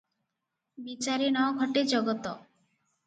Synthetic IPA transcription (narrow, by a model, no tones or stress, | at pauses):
bit͡ɕaɾenɔɡʱɔʈed͡ʑɔɡot̪o